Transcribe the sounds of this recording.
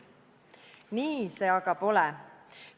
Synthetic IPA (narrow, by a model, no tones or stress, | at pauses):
niːse̞ɑɡ̥ɑb̥o̞lɛ